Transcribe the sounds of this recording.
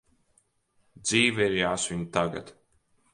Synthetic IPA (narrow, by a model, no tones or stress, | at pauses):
d̪ziːviɾjaːsviɲt̪aɡa̰t̪